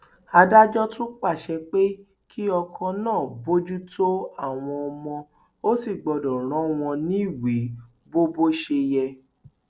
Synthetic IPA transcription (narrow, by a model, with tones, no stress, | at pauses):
a˧da˦d͡ʒɔ˦tũ˦k͡pa˦˨ʃɛ˧k͡pe˦ | kʰi˦ɔ˧kʰã˧nãː˦˨bo˦d͡ʒu˦tʰo˦a˦˨w̃ɔ̃˧ɔ˧mɔ̃˧ | o˦si˦˨ɡ͡bɔ˧dɔ˨ɾ̃ɔ̃˨˦w̃ɔ̃˧nĩ˦i˦˨wi˨˦ | bo˦bo˦ʃe˧jɛ˧